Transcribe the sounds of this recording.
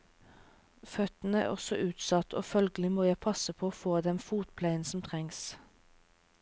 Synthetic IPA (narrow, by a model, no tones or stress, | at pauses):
fœt̪n̩əæ̰ːʁɔ̰sɔʔʉːt̪sɑt̪ʰo̰ːfœlɡəlɪmoːjæɪpʰɑsəpʰoːoːfoːd̪ɛnfuːt̪̚pʰlæɪənsɔmt̪ʰʁɛŋs